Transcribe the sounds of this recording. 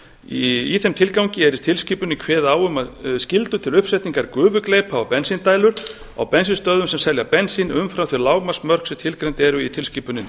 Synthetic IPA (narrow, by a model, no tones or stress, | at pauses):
iθɛmt̪ʰɪlkawɲcɪɛɾɪt̪ʰɪlsciːpʏnɪkʰvɛːðaːwʏmaðscɪlt̪ʏt̪ʰɪlʏhpsɛt̪niŋkaɾkʏːvʏklejpavapɛnsint̪aːjlʏɾ̥ | a̰wpɛnsinst̪œːðʏmsɛmsɛljapɛnsinʏmfɾawθɪɾlaːwmasmœr̥ksɛmt̪ʰɪlkɾejnt̪ɛɾʏit̪ʰɪlsciːpʏnːɪn